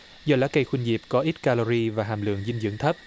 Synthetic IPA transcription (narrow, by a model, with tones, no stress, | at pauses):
zɔː˧˩la̰ː˨˥kə˧jxwi˧nzi˨˩p̚kɔ˨˦ʔi˦˥t̚kaː˧lo˧ɾi˧vaː˨˩ɦaː˨˩mlɨ̰˧˨əŋzi˧n̟zɨ̰˧˥əŋt̪ʰə˦˥p̚